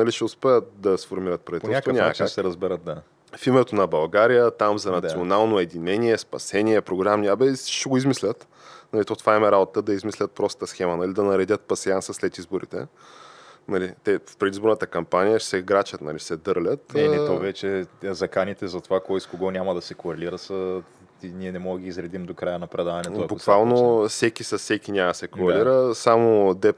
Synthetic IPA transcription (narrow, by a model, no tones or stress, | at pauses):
nɐliʃɛʊspɛət̪̚d̪ɐsfoɾmiɾət̪̚pɾɐvit̪lˠʲsk̪vonasɛɾɐzbɛɾət̪̚d̪a | fimɛt̪onɐbɐlˠɡaɾijət̪amzɐnɐt̪sionalˠnoɛd̪inɛniɛspɐ̰sɛniɛpɾoɡɾamniabɛʃɛɡoizmislʲət̪ | nɐlit̪ot̪vaɛmɛɾabot̪t̪əd̪ɐizmislʲət̪̚pɾɔst̪ət̪əsxɛmənɐlid̪ɐnɐɾɛd̪ʲət̪̚pɐsiansəslɛt̪izboɾḭt̪ɛ̰ | nɐlit̪ɛfpɾɛd̪izboɾnət̪əkɐmpanijəʃsɛɡɾat͡ʃət̪nɐ̰lisɛd̪ɤɾlʲət̪ɛnɛt̪ɔvɛt͡ʃɛzɐkanit̪ɛzɐt̪ovakɔjskoɡɔnʲamɐd̪ɐsɛkoɾɛliɾəsə | niɛnɛmɔɡɡʲiizɾɛd̪imd̪okɾajənɐpɾɛd̪avɐnɛt̪oɐkbʊsk̪valˠnofsɛkisɐsɛkinʲaməɐsɛkoɾɛliɾəsamod̪ɛ